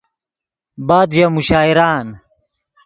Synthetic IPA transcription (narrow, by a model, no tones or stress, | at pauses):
baːd̪jamuɕaːiɾaːn